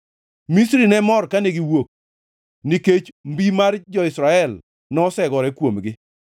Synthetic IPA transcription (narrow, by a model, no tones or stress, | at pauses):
misɾinɛmɔrkaneɡiwok̚ | niket͡ʃmbimard͡ʒɔɪsɾaɛl | nɔsɛɡɔɾɛkwomɡɪ